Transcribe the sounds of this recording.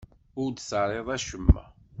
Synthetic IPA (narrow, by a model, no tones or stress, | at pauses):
ʊɾd̪səɾˤeðˤæʃəmːæ̰